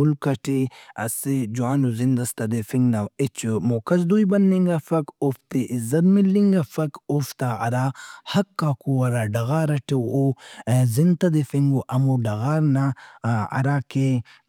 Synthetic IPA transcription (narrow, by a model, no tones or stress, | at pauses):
ulkɐʈiɐ̰sid͡ʒuaːnuzind̪ɐst̪ɐd̪efiŋɡnɐwet͡ʃumoːkɐsd̪ujbɐnːiŋɡafɐkoft̪iʔizɐt̪milːiŋɡafɐkoft̪aɐ̰ɾaːhɐkːaːkuɐɾaːɖɐɣaːɾɐʈewozint̪ɐd̪efiŋɡuʔɐmuɖɐɣaːɾnaɐ̰ɾaːke